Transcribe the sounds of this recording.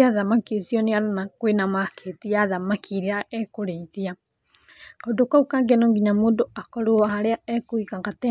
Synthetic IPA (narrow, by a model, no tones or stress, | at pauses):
aðamakisjɔneaɾonakwenamakʰetiaðamakʰiɾeaʔɛkoɾeiðia | kondokwaukaːŋɡenoŋɡiɲamoːndoakɔɾoahaɾeaɛkoikaŋɡatɛ